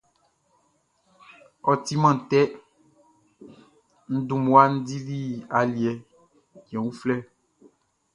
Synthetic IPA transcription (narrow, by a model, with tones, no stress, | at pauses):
ɔ˨ti˦mã˦˨t̪ɛ˦ | n̩˦du˦˨mwa˦n̩˦di˦ɾi˦a˨li˨ɛ˨ | ɲ˨ɛ̃˨wu˦flɛ˦